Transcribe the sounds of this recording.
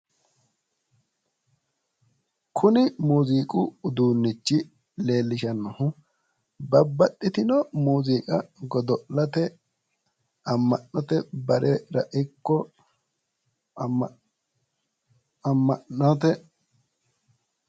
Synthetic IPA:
kʰʊnɪmuːziːkʼʊʊd̪uːnːɪt͡ʃːɪ | le̞ːlːɪʃɐnːɔhʊ | bɐbːɐɗːɪt̪ɪnɔmuːziːkʼɐɡɔd̪ɔʔlɐt̪ɛ | ɐmːɐnːɔt̪ɛbɐɾʔɛɾɐʔɪkːɔ | ɐmːɐnːɔt̪ɛ

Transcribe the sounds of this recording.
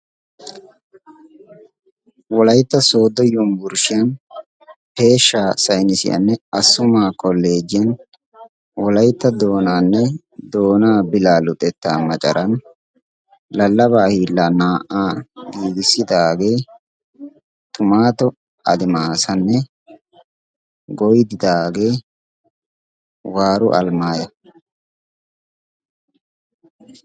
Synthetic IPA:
wɔlɐjt̪ːɐso̞ːd̪ːɔjɔmbʊɾʃɪjɐn | pe̞ːʃːaːsɐjnɪsɪ̰jɐ̰nːɛɐsʊmaːkʼɔlːe̞ːd͡ʒɪjɐn | wɔlɐjt̪ːɐd̪oːnaːnːɛ | d̪o̞ːnaːbɪlaːlʊt̪ʼɛt̪ːaːmɐt͡ʃʼɐ̰ɾʔɐn | lɐlːɐbaːhiːlːaːnaːʔaːɡiːɡɪsːɪd̪aːɡe̞ | t̪ʼʊmaːt̪ɔ | ɐ̰d̪ɪmaːsɐnːɛ | ɡɔjɪd̪ɪd̪aːɡe̞ː | waːɾʊʔɐ̰lmaːjɐ

